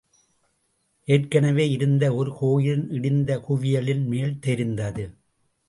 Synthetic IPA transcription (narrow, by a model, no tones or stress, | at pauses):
ʔeːrkɐɳɐʋeːɪɾɯnd̪ɐɔɾɯkoːjɪnɪɽɪnd̪ɐkʊʋɪjɐlɪnmeːlt̪ɛɾɪnd̪ɐðɯ